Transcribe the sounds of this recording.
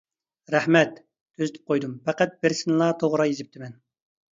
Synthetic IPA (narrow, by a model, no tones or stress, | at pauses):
ɾæhmɛt̪ːʰ | øzɪt̪ʰɪ̥p̚qʰojd̪umpæqæt̪̚bɪɾsɪnɨlˠɑt̪ʰoʁɾɑjezɪp̚t̪ʰɪmɛn